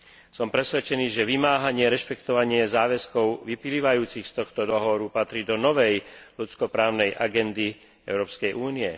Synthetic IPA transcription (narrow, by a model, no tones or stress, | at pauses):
sɔmpɾɛsʋɛt͡ʃɛniːʒɛʋimaːɦaɲɪɛɾɛʃpɛkt̪ɔʋaɲɪɛzaːʋɛskɔʊʋipiliːʋajuːt͡sixst̪ɔxt̪ɔd̪ɔɦɔʋɔɾupat̪ɾiːd̪ɔnɔʋɛjlut͡skɔpɾaːʊnɛjʔa̰ɡɛnd̪i | ɛ̰ʊɾɔːpskɛjʔuːniɛ